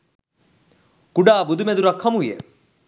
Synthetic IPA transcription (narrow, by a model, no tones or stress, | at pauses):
kuɖaːbud̪umed̪uɾɐkʰːɐmujḛ